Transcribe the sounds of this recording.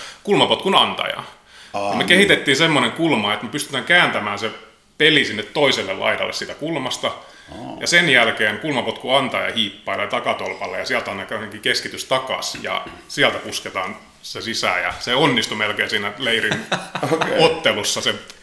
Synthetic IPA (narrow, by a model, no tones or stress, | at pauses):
kulmɑpot̪kunɑnt̪ɑ̰jɑ̰ | ɑmekehit̪et̪ːiːnsemːoneŋkulmɑet̪mepyst̪y̥t̪æŋkæːnt̪æmæːnse | pelisinːet̪t̪oiselːellɑ̰it̪ɑ̰lːḛsiːt̪ækulmɑst̪ɑ | jɑsenjælkeːnkulmɑpot̪kuɑnt̪ɑjɑ̰hiːpːɑilːɑjɑt̪ɑkɑt̪olpɑlːḛjɑsiælt̪ɑnːɑkɑheŋkikeskit̪yst̪ɑkɑ̰sjɑ̰ | siælt̪æpusket̪ɑːn | sesisæ̰jɑ̰seonːist̪umelkeːsiːnæleirin | ot̪ːelusːɑse